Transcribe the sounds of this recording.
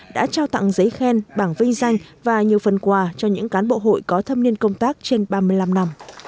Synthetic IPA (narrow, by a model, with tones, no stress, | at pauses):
ɗa̰ː˧˥t͡ɕaː˧wt̪a̰˧˨ŋzə˨˦jxɛ˧nɓaː˧˩ŋvï˧ŋ̟za˧jŋ̟vaː˨˩ɲi˨˩əwfə˨˩nkwaː˨˩t͡ɕɔ˧ɲɨ̰˧˥ŋkaː˨˦nɓo̰˧˨ɦo̰˧˨jkɔ˨˦t̪ʰə˧m̚ni˧ənkə˧wŋ͡mt̪aː˦˥k̚t͡ɕe˧nɓaː˧mɨ˧əjla˧mna˧m